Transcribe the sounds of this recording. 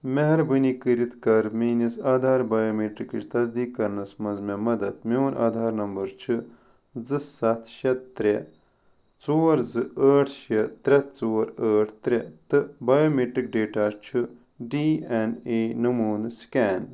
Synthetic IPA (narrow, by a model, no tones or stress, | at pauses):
meɦɐɾbɨnikɨɾit̪kɐɾmiːnisaːd̪ʱaːɾbaːjoːmeːʈɾikiʃʲt̪ɐzd̪iːkːɐɾnɐsmɐnzmʲemɐd̪ɐd̪̚mewnʔa̰ːd̪ʱaːɾnɐmbɐɾt͡ʃʰɨ | zɨsɐt̪ʰʃɐt̪t̪ːɾʲe | t͡soːɾzɨəːʈʰʃɐt̪ɾʲɐt̪̚t͡soːɾəːʈʰt̪ɾʲet̪ɨbaːjoːmeːʈɾik̚ɖeːʈaːɾt͡ʃʰɨ | ɖiːɛneːnɨmuːnɨskʲɛːn